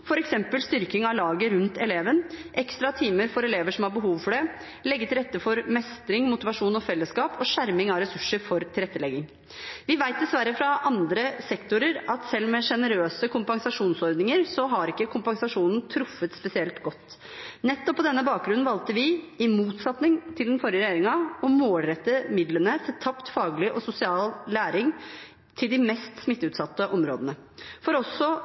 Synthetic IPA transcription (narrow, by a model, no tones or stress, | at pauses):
fɔɾɛksɛmpəlst̪ʏɾkɪŋɑʋlɑːɡəɾʉnt̪ɛleːʋənʔɛkst̪ɾɑt̪ʰiːməɾfɔɾɛleːʋəʂɔmhɑɾbəɦuːʋfɔɖɛ | lɛɡːət̪ʰɪlɾɛt̪ːəfɔɾmɛst̪ɾɪŋmʊt̪ɪʋɑʂuːnɔfɛlːəskɑːpɔʂæɾmɪŋɑʋɾɛsʉʂəɾfɔɾt̪ʰɪlɾɛt̪ːəlɛɡɪŋ | ʋɪʋæɪt̪̚d̪ɛsʋæɾːəfɾɑʔɑnd̪ɾəsɛkt̪ʊɾəɾɑt̪sɛlːmɛʂɛnəɾøːsəkʰʊmpɑŋsɑʂuːnsɔɾd̪nɪŋəɾsɔɦɑɾɪkːəkʰʊmpɑŋsɑʂuːnn̩t̪ʰɾʊfːət̪spɛsɪɛlt̪ɡɔt̪ː | nɛt̪ːɔpːɔd̪ɛnːəbɑːk̚ɡɾʉnn̩ʋɑlt̪əʋɪ | ɪmuːt̪sɑt̪nɪŋt̪ʰɪld̪ɛnfɔɾɪəɾɛjeːɾɪŋɑɔmoːlɾɛt̪ːəmɪd̪lənəsʰɛt̪ʰːɑpt̪fɑːɡlɪʔɔsʊsɪɑːlːæːɾɪŋ | t̪ʰɪld̪ɪmɛst̪smɪt̪ːʉːt̪sɑt̪ːəʔɔmɾo̰ːd̪ənəfɔɾɔsːɔ